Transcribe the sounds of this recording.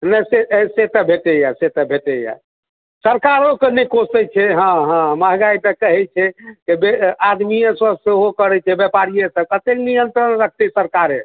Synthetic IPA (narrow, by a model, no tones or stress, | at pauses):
nəseset̪əbʱeʈejaset̪əbʱeʈeja̰ | səɾkaɾokenikosɛt͡ʃʰɛɦãɦãməɦɡait̪əkəɦɛt͡ʃʰɛkebead̪mijẽsəseɦokəɾɛt͡ʃʰɛbjɛpaɾijẽsəb̚kət̪eknijənt̪ɾənɾək̚ʰt̪ɛsəɾkaɾẽ